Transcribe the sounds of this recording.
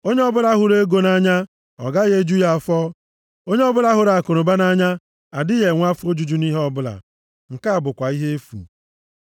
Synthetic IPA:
o˦ɲe˦ɔ˦bʊ˦la˦ɦʊ˨ɾe˦ɡo˦na˦ɲa˦ | ɔ̰˨ɡa˦ɣe˦d͡ʒu˦ja˨ɔ˨fɔ˦ | o˦ɲe˦ɔ˦bʊ˦la˦ɦʊ˨ɾa˨a˨ko˨ɾo˨ba˦na˦ɲa˦ | a˨dɪ˦je˨ŋʷa˦fʊ˦o˦d͡ʒu˦d͡ʒu˦ni˦ɦɔ˦bʊ˦la̰˨ | ŋ̩˨ka˦˨bʊ˨kʷa˨i˦ɦe˦e˦fṵ˨

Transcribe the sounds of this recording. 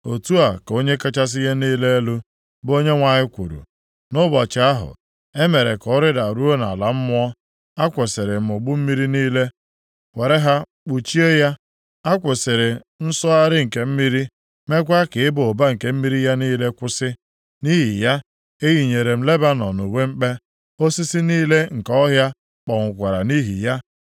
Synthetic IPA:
o˨tu˦a˨ko˦ɲe˦ka˦t͡ʃa˦s̬ɪ˦ɣe˦niː˦le˦e˦lu˦ | bo˦ɲe˦ŋʷa˨ɲɪ˦kʷṵ˨ɾṵ˨ | nʊ˦bɔ˨t͡ʃɪ˨a˦ɦʊ̰˨ | e˦me˨ɾe˨kɔ˦ɾɪ˦da˨ɾu˦o˦na̰˨la˨m̩˦mʊ˦ɔ˦ | a˦kʷe˨sɪ˨ɾɪ˨m̩˨ʊ˨ɡ͡bu˦m̩˦mi˦ɾi˦niː˦le˦ | we˨ɾe˦ɦa˦ | k͡pu˨t͡ʃi˦e˦ja˦ | a˦kʷe˨sɪ˨ɾɪ˨ | n̩˦sɔ˦a˦ɾɪ˦ŋ̩˨ke˨m̩˦mi˦ɾi˦ | me˦k̬ʷa˦kɪ˨ɪ˦bo˨ba˦ŋ̩˨ke˨m̩˦mi˦ɾi˦ja˦niː˦le˦kʷʊ˦sɪ˦ | ni˦ɦi˨ja˦ | e˦ɣi˨ɲe˨ɾe˨m̩˦le˦ba˦nɔ̰˨nu˨we˦ŋ͡m̩˦k͡pe˦ | o˦si˦si˦niː˦le˦ŋ̩˨kɔ˦ɦja˦ | k͡pɔ˨ŋʷʊ˨kʷa˨ɾa˨ni˦ɦḭ˨ja˦

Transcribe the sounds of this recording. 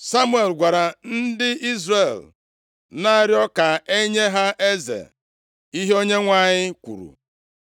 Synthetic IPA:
sa˦mu˦e˨lɡʷa˨ɾa˨n̩˦dɪ˦i˦zɾe˦˨l | na˦˨ɾjɔ˦ka˨e˦ɲe˦ɦa˦ʔe˦zḛ˨ | i˦ɦe˦o˦ɲe˦ŋʷa˦˨ɲɪ˦kʷṵ˨ɾṵ˨

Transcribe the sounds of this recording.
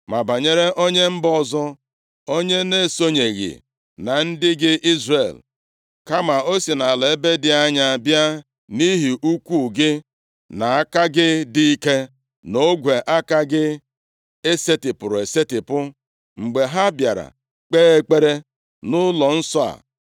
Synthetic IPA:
ma˨ba˨ɲe˦ɾe˦ʔo˦ɲe˦m̩˦bɔ˦zɔ˦ | o˦ɲe˦ne˦˨so˦ɲe˨ɣɪ̰˨ | na˨n̩˦dɪ˦ɡɪ˦ʔi˦zre˨l | ka˦ma˨o˦si˨na˨le˨e˦be˦dɪ˨a˦ɲa˦˨bja˦ | ni˦ɦi˨ʔu˦kʷu˦˨ɡɪ˦ | na˨a˦ka˦ɡɪ˦di˦i˦ke˦ | no˦ɡʷe˨ʔa˦ka˦ɡɪ˦ | e˦se˦tɪ˨pʊ˨ɾʊ˨e˨se˦tɪ˨pʊ˦ | ŋ͡m̩˨ɡ͡be˨ɦa˦bja˨ɾa̰˨ | k͡peː˦e˦k͡pe˦ɾe˦ | nʊ˦lɔ˨n̩˦sɔ˦a̰˨

